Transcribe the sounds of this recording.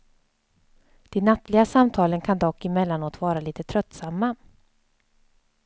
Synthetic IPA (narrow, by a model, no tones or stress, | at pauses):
d̪̥ɛnːat̪lɪɡasamt̪ʰɑːlənkʰand̪ɔkːɪmɛlːanoːt̪vɑːɾaliːt̪ət̪ʰɾœt̪ːsamːa